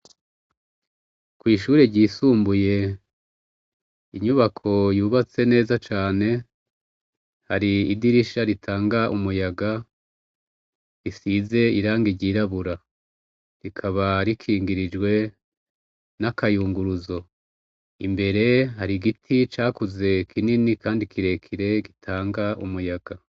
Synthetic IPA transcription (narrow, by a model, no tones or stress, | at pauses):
kwiːʃuːɾeɟiːsuːmbuje̞ | iɲuβakʰo̞juːβat͡se̞ne̞ːzat͡ʃaːne̞ | haɾiːdiɾiʃaɾitʰaːŋɡaʔumujaɡa | ɾisize̞iɾaːŋɡiɟiɾaβuɾa | ɾikʰaβaɾikʰiːŋɡiɾid͡ʒɡwe̞ | nakajuːŋɡuɾuzo̞ | imbe̞ɾe̞ɦaɾiɡitʰit͡ʃaːkuze̞kʰininikaːndikʰiɾe̞kʰiɾe̞ɡitʰaːŋɡaʔumujaɡ̥a